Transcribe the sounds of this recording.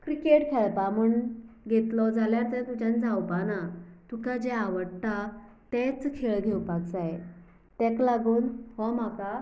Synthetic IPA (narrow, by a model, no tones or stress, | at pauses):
kɾikeʈkʰeɭpamuɳɡʱet̪lɔd͡zaljaɾt̪ət̪ud͡ʑãnd͡zawpanat̪ukad͡ʑeaʋəɽʈ̪a | t̪ɛt͡skʰeɭɡʱewpaɡd͡zaje | t̪ɛklaɡuːnɦɔm̤aka